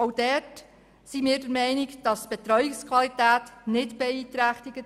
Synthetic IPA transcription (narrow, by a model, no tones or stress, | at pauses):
owd̥ɛːt | simɪːɾdɛɾmɛɪnɪkd̥ɑstb̥ɛt̪ɾɔɥɪkskʰvɑlit̪æːtnɪtb̥ɛiːt̪ɾæχt̪ɪɡ̥ə